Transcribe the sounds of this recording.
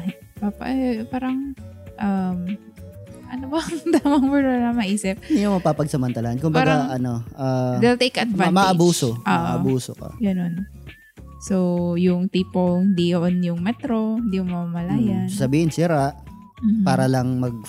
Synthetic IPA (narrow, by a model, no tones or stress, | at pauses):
papɐ̰ʔɛpaːɾɐŋʔɐm | ʔɐnobɐd̪amɐŋbɛnolɐmɐʔiːsɪp̚ɪnd̪iɲomɐpaːpɐɡ̚sɐmɐnt̪ɐlaːɐnkʊmbaɡaʔɐnoʔad̪ɛlt̪ejkɐt̪̚vamɐʔɐbuːsooːʔoɐ̰buːsokɐ̰ɡɐno̞n | sowjʊŋt̪iːpohɪnd̪ijɐʔonjʊŋmɛt̪ɾohɪnd̪iːjʊŋmɐmamɐlaːjɐnsasɐbiːhɪnsɪɾaʔ | m̩paːɾɐlɐŋmɐɡ̚